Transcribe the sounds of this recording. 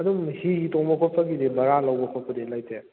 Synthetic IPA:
ɐdumhihitoŋbɐkʰɔt̚pʰɐɡidibɐɾalɐwbɐkʰot̚pʰɐdilajtʰe

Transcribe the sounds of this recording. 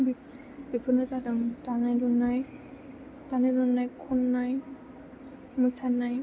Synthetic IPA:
bi | bipʰɯnɯzadɯŋtanajdɔnːaj | tanajdɔnːajkʰɔnːaj | mɯsanaj

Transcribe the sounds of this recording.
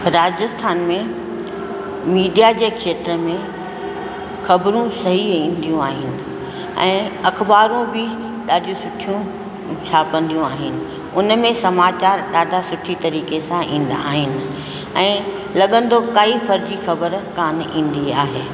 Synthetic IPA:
ɾaːd͡ʑəst̪ʰaːnmẽ | miːɖijad͡ʑeːkʃeːt̪ɾəmẽ | xɐbɾũsɐɦiĩːnd̪ijũaːɦɪnɪ̆ | ɛ̰̃ːɐxbaːɾũbɪ | ɗaːɖʱijũsʊʈʰijũ | sʰaːpə̃nd̪ijũaːɦɪnɪ̆ | ʊnmẽsɐmaːt͡ɕaːɾɗaːdʱasʊʈʰit̪ɐɾiːkesãʔḭ̃ːn̆d̪aaːɦɪnɪ̆ | ɛ̃ː | lɐɠə̃nd̪okaːifʰɐɾd͡ʑiːxɐbəɾkaːnĩːn̆d̪iaːɦeː

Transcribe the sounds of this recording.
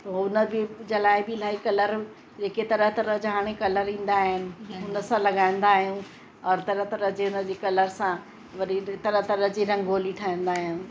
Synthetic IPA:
t̪oʊnə̆bɪd͡ʑeːlaːɪbɪlaːikɐləɾ | d͡ʑeːket̪ɐɾəɦt̪ɐɾəɦd͡ʑɦaːɽ̃ekɐləɾĩːn̆d̪aːɦɪnɪ̆ʊnə̆sãlɐɡaːɪ̃n̆d̪aːɦijũ | ɔːɾt̪ɐɾəɦt̪ɐɾəɦd͡ʑeʊnə̆d͡ʑeːkɐləɾsã | ʋɐɾit̪ɐɾəɦt̪ɐɾəɦd͡ʑiɾɐ̃ŋɡoːliʈʰaːĩn̆d̪aːɦijũ

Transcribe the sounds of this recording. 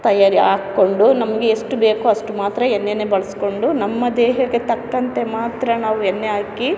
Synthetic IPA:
t̪ɐjaːɾiaːkːo̞ɳɖunɐmɐɡeːʂʈube̞ːkuɐʂʈumaːt̪ɾɐenːenebɐɭɐsko̞ɳɖunɐmːɐd̪eːɦɐɡet̪ɐkːɐnt̪e̞maːt̪ɾɐnaːʋuenːeaːki

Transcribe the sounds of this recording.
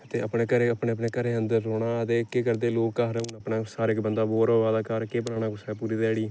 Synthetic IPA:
t̪eːəpɳeːkəɾeəpɳeːəp̬neːkəɾeːənd̪əɾɾoːɽaːət̪eːkeːkəɾd̪eːloːkkaːɾẽːʊnəpnaːsaːɾeɪkbənd̪aːboːɾoːʋaːd̪aːkaːɾkeːbənaːnaːkʊsɛːpuːɾiːd̪ɛːɽiː

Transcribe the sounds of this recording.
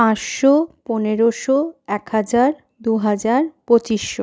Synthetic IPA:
ãʃʃoponeɾoʃoɛkhad͡ʑaɾ | d̪uɦad͡ʑaɾpot͡ɕiʃːo

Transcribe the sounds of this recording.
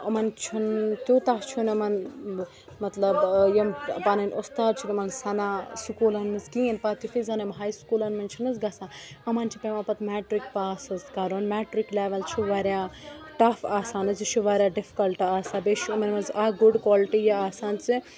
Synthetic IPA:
ɐmɐnt͡ʃʰunt̪jot̪at͡ʃʰunɐmɐn | mɐt̪lɐbjempanɐnʲost̪aːɾt͡ʃʰunɐmɐnsɐnaːsukuːlɐnɨskĩenpat̪ufizɐnɐmɦaːjskuːlɐnmɐnt͡ʃʰunɨsɡɐsaɐmɐnt͡ʃʰipemapɐt̪mɛːʈɾikpaːsɨskaɾonmɛːʈɾikleʋɐlt͡ʃʰiʋaɾjaʈɐfaːsaːnɨt͡sit͡ʃʰuʋaɾjaːɖifʰi̥kɐlʈaːsabeʃʰimɐnmɐnzaɡuɖkwaːliʈijeaːsaːnt͡si

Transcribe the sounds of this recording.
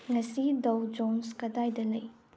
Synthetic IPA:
ŋɐsidɐwd͡ʒonskɐdajdɐlɐj

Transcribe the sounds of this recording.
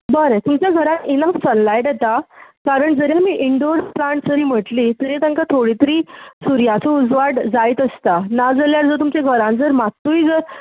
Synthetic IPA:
bəɾet̪umt͡ɕjaɡʱəɾãninəfsənlajʈjet̪akaɾəɳd͡zəɾjamiːʔiɳɖoɾplaɳʈd͡zəɾiːm̤əʈlit̪əɾet̪ãŋkat̪ʰoɽit̪əɾiːsuɾjat͡sɔud͡zʋaɽd͡zajt̪əst̪anad͡zəljaɾd͡zɔt̪umt͡ɕaɡʱəɾãnd͡zəɾmat̪ːuid͡zəɾ

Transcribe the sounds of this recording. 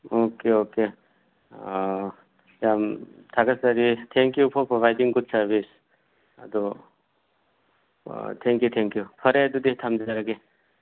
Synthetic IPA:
okeoke | amt̪ʰakɐsɐɾit̪ʰɛ̃ŋkjupʰɔɾpɾɔʋajdiŋɡʊd̪sɐɾbis | ad̪o | t̪ʰɛ̃ŋkjut̪ʰɛ̃ŋkjupʰɐɾed̪ud̪iɦt̪ʰamd͡ʒaɾaɡe

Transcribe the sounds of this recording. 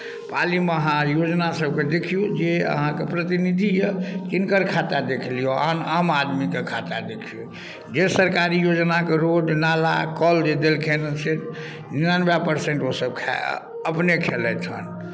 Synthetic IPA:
paliməɦãjod͡ʒnasəbked̪ekʰijud͡ʒeə̰ɦãkepɾət̪inid̪ʱijət̪inkəɾkʰat̪ad̪ekʰlijoanamad̪mikekʰat̪ad̪ekʰiju | d͡ʒesəɾkaɾijod͡ʒnakeɾoɖnala̰kɔld̪ed̪elkʰenəse | inanbapəɾseɳʈosəb̚kʰa̰ | əpnekʰelɛt̪ʰə̰n

